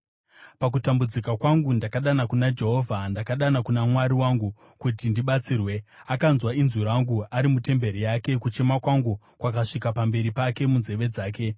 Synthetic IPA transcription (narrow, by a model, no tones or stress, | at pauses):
pak̬utambud͡zikakwaŋɡundakaɗanakunad͡ʒe̞ɦo̞vʱandakaɗanakunamwaɾiwaŋɡu | kutindiɓat͡siːrwe̞akanzwainzuɾaŋɡuaɾimute̞mbe̞ɾijake̞kut͡ʃe̞makwaŋɡu | kwakaʂikapambe̞ɾipake̞munze̞ʋe̞d͡zaːke̞